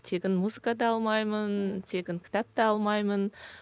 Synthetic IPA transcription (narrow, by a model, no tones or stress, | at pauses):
t̪ʰekʲɪnmuzɨkad̪ɑɑlˠmɑjmənt̪ʰe̞kʲɪŋkʲʰɪ̥t̪ap̚t̪ɑɑlˠmɑjmən